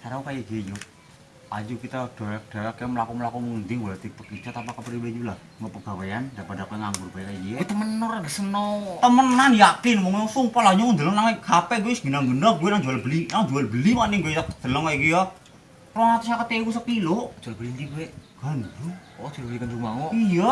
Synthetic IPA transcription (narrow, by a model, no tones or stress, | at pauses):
saɾaukajiɡed͡ʒo | a̰d͡ʒukit̪ad̥a̤ɾak̚d̥a̤akeməlakumlakuŋund̪iŋwɔlat̪ipəkid͡ʒat̪ampakəpɾiwed͡ʒulah | ŋəpəɡ̥awejandapadakuɛŋaŋɡʊrb̥akaiɡit̪əmənːɔrɡəsənɔt̪əmənanjakinmɔŋɔsuŋpɔlaɲukɔnd̪əlɔŋnaŋikʰapɛɡusɡ̥i̤naŋbənərɡuwɛnaŋd͡ʒualbəlinakd͡ʒualbəlimaniŋɡotḁd̪̥ə̤lɔŋaikijɔ | rɔat̪usakət̪eikus̬əpiloʔd͡ʒualbəlint̪iɡuɛɡ̥and͡ʒuɔd͡ʒ̥ulikənd͡ʒumaŋɔʔija